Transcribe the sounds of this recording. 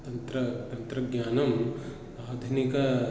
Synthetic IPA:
t̪ɐnt̪ɾɐt̪ɐnt̪ɾɐɡjaːnɐm | aːd̪ʱunikɐ

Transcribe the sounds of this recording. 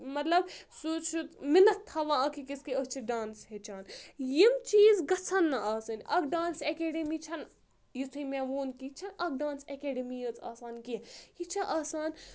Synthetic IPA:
mɐt̪lɐbsuːt͡ʃʰut̪mɪnɐtt̪ʰːɐʋãːɐkʰikiskiət͡ʃʰiɖaːnsɦet͡ʃʰaːnjimt͡ʃiːzɡɐt͡sʰɐnːɐaːsɐnʲʔɐkɖaːnsekeːɖemit͡ʃʰɐn | jit͡s̪ʰɨmẽʋoːnkit͡ʃʰɐnɐk̚ɖãːnsekeːɖɐmijɐt͡sa̰ːsaːnkihit͡ʃʰaʔaːsaːn

